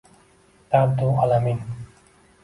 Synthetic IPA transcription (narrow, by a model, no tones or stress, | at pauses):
t̪abd̪ualamin